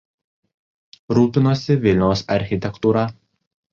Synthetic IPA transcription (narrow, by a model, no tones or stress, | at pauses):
ɾuːpʲɪnoːsʲɪʋʲɪlʲnʲɛʊsɐɾʲxʲɪt̪ʲɛkt̪uːɾɐ